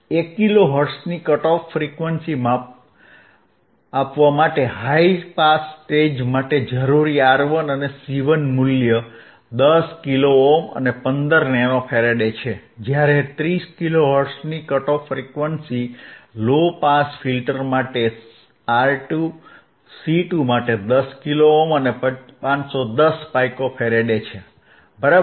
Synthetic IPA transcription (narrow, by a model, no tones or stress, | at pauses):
ekːiloɦəɾsnikəʈɔfːɾikʋənsimã | apʋamaʈeɦaipasːʈed͡ʒmaʈed͡ʒəɾuɾiaɾʋənənesiʋənmuljə | d̪əskiloomə̰nepənd̪əɾnɛnofʰeɾeɖet͡ʃʰed͡ʒjaɾet̪ɾiskiloʋəɾsnikəʈofɾekʋənsilopasfilʈəɾmaʈe | aɾʈu | siʈumaʈed̪əskiloomənepəpãt͡ʃsod̪əspajkofʰeɾeɖet͡ʃʰe | bəɾa